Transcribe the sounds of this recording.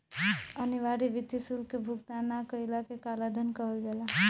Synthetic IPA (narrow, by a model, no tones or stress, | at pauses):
əniʋaɾiʋit̪isulkebʱuk̚t̪anakəilakekalad̪ʱənkəɦəld͡ʒɛla